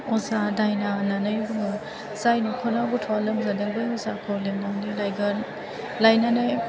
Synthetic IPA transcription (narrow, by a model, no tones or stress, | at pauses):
ɔzadajnananɯjbuŋɯ | zajnikʰɔnabutʰɔalɯmzadɯŋbɯjɔzakʰɔlemnaŋnilajɡan | lajnanaj